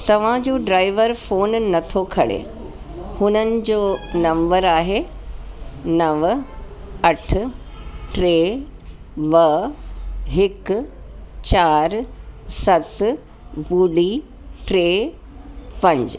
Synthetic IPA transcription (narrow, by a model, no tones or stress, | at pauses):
t̪ɐʋ̤ãd͡ʑoːɖɾaːɪʋəɾfoːnːɐt̪ʰokʰɐɽḛ | hʊnənɪ̆d͡ʑoːnɐ̃mbəɾaːɦe | nɐʋ | ɐʈ̆ʰ | ʈɾeː | ʋɐ | ɦɪk | t͡ɕaːɾsɐt̪ | buːɖi | ʈɾeː | pɐ̃ɲd͡ʑ